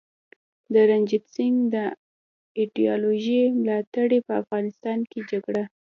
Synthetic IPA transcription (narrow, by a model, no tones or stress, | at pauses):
d̪əɾand͡ʒɪsɪŋɡd̪ə | iɖijɑloʒemlɑt̪aɽepəafɣɑnɪst̪ɑnked͡ʒaɡɽa